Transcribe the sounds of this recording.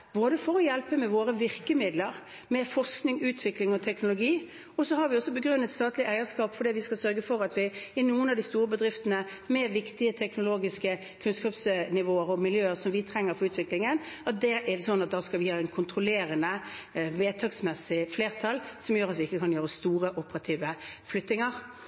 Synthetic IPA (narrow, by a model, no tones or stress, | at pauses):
boːd̪əfɔɾɔjɛlpəmɛʋoːɾəʋɪʁkəmɪd̪ləɾ | mɛfɔʁsknɪŋʉːt̪ʰʋɪklɪŋɔt̪ʰɛknʊlʊɡiː | ɔsɔhɑɾʋɪɔsːɔbəɡɾʉnːət̪st̪ɑːt̪lɪʔæɪəskɑːpfɔɾd̪ɛʋɪskɑlsœɾɡəfɔɾɑt̪ʰʋɪɪnuːənɑd̪ɪst̪uːɾəbəd̪ɾɪft̪ənə | mɛʋɪkt̪ɪət̪ʰɛknʊloːɡɪskə | kʰʉnskɑːpsnɪʋoːəɾɔmɪljøːəɾsɔmʋɪt̪ʰɾɛŋːəɾfɔɾʉːt̪ʋɪklɪŋən | ɑt̪̚d̪ɛɛsɔnːɑt̪̚d̪ɑːskɑlʋɪhɑːɛnkʰʊnt̪ɾʊleːɾənəʋeːt̪ʰɑksmɛsːɪfleːʁt̪ʰɑlsɔmjøːɾɑt̪ʋɪɪkːəkʰɑnjøːɾəst̪uːɾəʔʊpəɾɑt̪ʰiːʋəflʏt̪ːɪŋəɾ